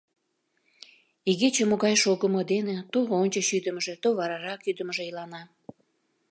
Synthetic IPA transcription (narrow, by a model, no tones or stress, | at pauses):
iɣet͡ɕemoɣɑjʃoɣəməd̪enet̪oonʲt͡ɕəɕyd̪əməʒĕt̪oβɑɾɑɾɑkyd̪əməʒeilɑnɑ